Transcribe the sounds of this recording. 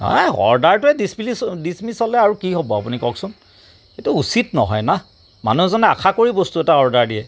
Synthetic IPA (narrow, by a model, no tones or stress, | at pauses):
ɔ̰ɦɔ̰ɹdaɹtʊɛdismilidismisɔlɛaɹukiɦobɔapunikɔksʊn | etuusitnɔ̰ɦɔ̰jna | ma̰nuɦɛzɔnɛa̰kʰakoɹibɔstuɛtahɔɹdaɹdiɛ